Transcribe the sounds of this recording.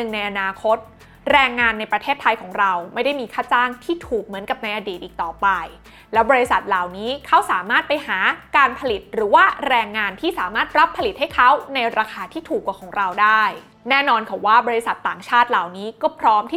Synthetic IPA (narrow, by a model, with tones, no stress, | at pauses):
ɯ˨˩ŋna˧jʔa˧naː˧kʰo˦˥t̪̚ | ɾɛː˧ŋːaː˧nːa˧jpɾa˧t̪ʰeː˥˩t̪ʰːa˧jkʰɔː˩˦ŋɾa˧wma˥˩jda˥˩jmiː˧kʰaː˥˩t͡ɕaː˥˩ŋt̪ʰiː˥˩t̪ʰuː˨˩k̚mɯ˨˩˦nka˨˩p̚na˧jʔa˧diː˨˩ʔːk̚t̪ɔː˨˩pa˧j | lɛː˦˥wbɔː˧ɾi˧sa˨˩t̪̚laː˨˩wniː˦˥kʰa˦˥wsaː˩˦maː˥˩t̪̚pa˧jhaː˩˦kaː˧npʰa˧li˨˩t̪̚ɾɯː˩˦waː˥˩ɾɛː˧ŋːaː˧nt̪ʰiː˥˩saː˨˩˦maː˥˩t̪̚ɾa˦˥pʰːa˧li˨˩t̪̚ha˥˩jkʰa˦˥wna˧jɾaː˧kʰaː˧t̪ʰiː˥˩t̪ʰuː˨˩kːaː˨˩kʰɔː˩˦ŋɾa˧wdaː˥˩j | nɛː˥˩nɔː˧nkʰa˨˩waː˥˩bɔː˧ɾi˧˦sa˨˩t̪ːaː˨˩ŋt͡ɕʰaː˥˩t̪̚la˨˩wniː˦˥kɔː˥˩pʰɾɔː˦˥mt̪ʰiː˥˩